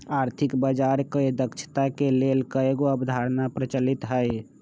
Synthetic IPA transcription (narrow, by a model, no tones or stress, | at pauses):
aːɾt̪ʰikbəd͡ʒaɾkəed̪əkt͡ʃʰə̥t̪akelelkəeɡoəbd̪ʱaɾnapɾət͡ʃəlit̪ɦəj